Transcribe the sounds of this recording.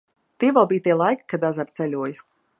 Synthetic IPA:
t̪iɛvʲɛlˠbiːjt̪iɛlˠajkkad̪azaɾt̪sɛlʲuɔju

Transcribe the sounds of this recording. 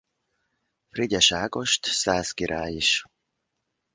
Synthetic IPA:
friɟɛʃaːɡoʃt̪saːskiɾʔaːjiʃ

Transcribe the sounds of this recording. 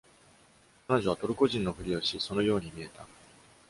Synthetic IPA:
kano̞ʑoβ̞at̪o̞ɾɯ̟ko̞ʑĩnːo̞ɸɯ̟ɾʲio̞ɕiso̞no̞jo̞ːɲ̟imʲie̞t̪a

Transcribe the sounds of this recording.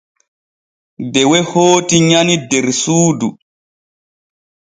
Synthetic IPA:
bɛwɛhoːtiɲanidɛɾsuːdu

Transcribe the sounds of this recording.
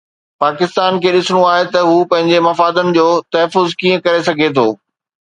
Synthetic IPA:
paːkɪst̪aːnkʰeːɗɪsɽ̃oaːɦet̪ɐɦuːpɐ̃ɦɪ̃ɲd͡ʑemɐfaːd̪ənɪ̆d͡ʑoːt̪ɐɦəfʊzkiːə̃kɐɾesɐɡʱet̪ʰoː

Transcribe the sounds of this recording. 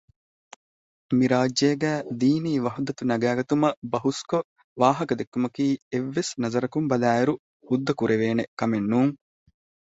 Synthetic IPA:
miɾaːd͡ʒːeːɡæːd̪iːniːʋɐɦud̪ɐt̪unɐɡæːɡɐt̪umɐbɐɦusko | ʋaːɦɐkɐd̪ekːumɐkiːeʋːesnɐzɐɾɐkumbɐlæːiɾu | hud̪ːɐkuɾeʋeːnekɐmenːuːŋ

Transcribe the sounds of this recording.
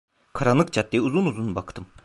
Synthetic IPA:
kʰaɾanlːˠɯk̚t͡ʃʰat̪̚ːiuzunuzunbakt̪ʰɯm

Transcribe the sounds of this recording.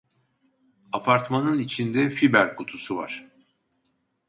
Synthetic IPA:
apʰaɾt̪manɯnit͡ʃʰind̪ɛfibæɾkʰut̪ʰusuva̰ɾ̥

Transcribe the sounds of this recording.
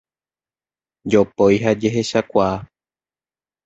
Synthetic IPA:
d͡ʒopojɦad͡ʒe̞ɦe̞ʃakʷaː

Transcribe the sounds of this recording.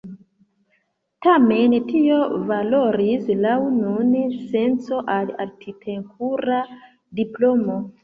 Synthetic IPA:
tame̞ntio̞valo̞ɾislaununse̞nt͡so̞ʔala̰ɾkʰitʰe̞nkʰuɾa | diplo̞mo̞

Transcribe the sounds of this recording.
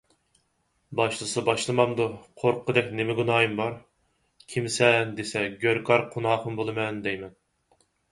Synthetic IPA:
bɑʃlˠɨsɨbɑʃlˠɨmɑmd̪uqʰoɾqʰəd̪ɛk̚ʲnemɪɡunɑːjɨmbɑɾ | kʲʰimsɛnd̪esɛɡʲøɾkʰɑɾqʰunɑːχəmbolˠɨmɛnd̪ɛjmɛn

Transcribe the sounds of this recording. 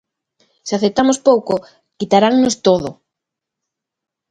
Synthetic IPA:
seaθet̪amospowko | kit̪aɾaŋnost̪oðʊ̰

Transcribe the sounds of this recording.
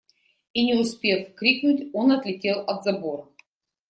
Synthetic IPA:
inʲɪʊspʲe̞fkɾʲiknʊtʲonɐt̪lʲɪtʲe̞lˠɐt̪zɐbo̞ɾə

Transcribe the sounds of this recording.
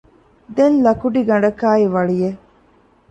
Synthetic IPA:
d̪enlɐkuɖiɡɐɳɖɐkaːiʋɐɭije

